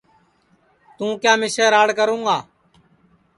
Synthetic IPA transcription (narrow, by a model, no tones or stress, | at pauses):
t̪ũːkjaːmɪseːɾaːɽkəɾũːɡaː